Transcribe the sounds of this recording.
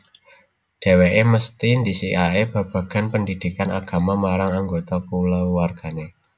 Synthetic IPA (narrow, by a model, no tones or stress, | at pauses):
ɖ̥e̤weʔeməst̪ind̪isiʔaeb̥a̤b̥ä̤ɡ̥a̤npəndid̪̥i̤kanʔaɡ̥a̤mamaɾaŋaŋɡot̪apulawwarɡ̥a̤ne